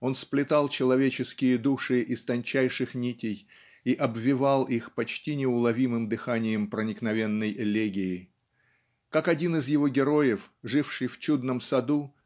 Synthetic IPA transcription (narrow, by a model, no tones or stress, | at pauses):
o̞nsplʲɪt̪ɑlˠt͡ɕɪlˠɐvʲet͡ɕɪskʲɪjəd̪uʂɨʔɪst̪ɐnʲt͡ɕæjʂɨxnʲitʲɪj | iʔɐbvʲɪvɑlˠixpɐt͡ɕtʲinʲɪʊlˠɐvʲimɨmd̪ɨxanʲɪjəmpɾənʲɪknɐvʲe̞nːəjlʲeɡʲɪɪ | kakɐdʲinɪzjɪvo̞ɡʲɪɾo̞jɪfʐɨfʂɨjft͡ɕud̪nəmsɐd̪u